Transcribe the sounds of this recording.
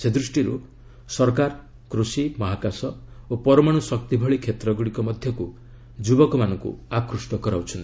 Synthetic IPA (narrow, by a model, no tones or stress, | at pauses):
sed̪ɾusʈiɾu | sɔɾkaɾ | kɾusimɔɦakasɔopɔɾɔmaɽ̃usɔk̚t̪ibʱɔɭikʰet̪ɾɔɡuɽikɔmɔd̪ʱjɔku | d͡ʒubɔkɔmanɔŋkṵakɾusʈɔkɔɾawt͡ʃʰɔnt̪i̥